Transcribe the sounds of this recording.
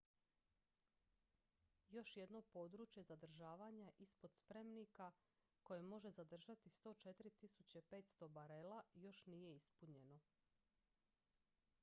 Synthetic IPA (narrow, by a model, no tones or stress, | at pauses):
jo̞ʃje̞d̪no̞po̞ːd̪ɾuːt͡ɕje̞zad̪r̩ʒaːʋaːɲaʔispo̞d̪spɾe̞mnika | ko̞je̞mo̞ʒe̞zad̪r̩ʒat̪ist̪o̞t͡ʃe̞t̪ɾit̪isut͡ɕepe̞ːt̪st̪o̞baɾe̞lajo̞ʃnije̞ispuɲe̞no̞